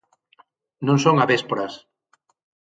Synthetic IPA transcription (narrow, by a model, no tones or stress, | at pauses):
nõŋsoŋaβespoɾas